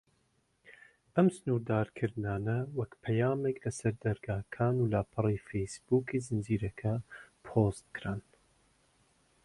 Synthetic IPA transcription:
ɐmsɨnuːɾd̪aːɾkʰɨɾd̪ɨnaːnɐwɐkpʰɐjaːmeklɐsɐɾd̪ɐɾɡaːkʰaːnulaːpʰɨrifejsbuːkʰizɨnd͡ʒiːɾɐkʰɐpʰost̪̚kɾan

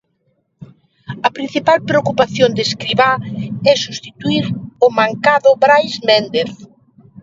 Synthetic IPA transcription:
ɐpɾin̟θipalpɾeokupaθjond̪eskɾiβaɛsust̪it̪uiɾʊmãŋkaðʊbɾajzmend̪eθ

